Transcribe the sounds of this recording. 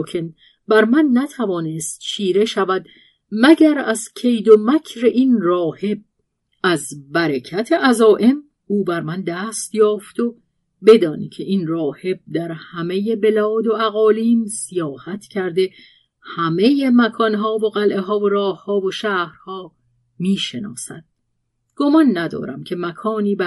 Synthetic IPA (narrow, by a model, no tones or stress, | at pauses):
kʰen | bæɾmænːæt̪ʰævɒːnest̪ʃʰiːɾe̞ʃævæd̪ | mæɟæɾæzcʰe̞jd̪omækʰɾeʔinrɒːhe̞b̚ | æzbæɾecʰæt̪ʰeʔæzɒːʔe̞m | uːbæɾmænd̪æːst̪jɒːft̪o̞ | be̞d̪ɒːnicʰeʔinrɒːhe̞b̚d̪æɾhæme̞je̞be̞lɒːd̪o̞æɣɒːliːmsijɒːhæt̪ʰcʰæɾd̪e̞ | hæme̞jemækʰɒːnɦɒːvoɣælʔe̞ɦɒːvoɾɒːhhɒːvoʃæːhɾhɒː | miːʃe̞nɒ̰ːsæ̰d̪̥̚ | ɡ̥o̞mɒnːæd̪ɒ̰ːɾæ̰mcʰe̞mækʰɒːniːbæ